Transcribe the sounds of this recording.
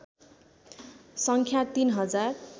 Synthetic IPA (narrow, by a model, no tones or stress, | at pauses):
sʌŋkʰjat̪inɦʌd͡zar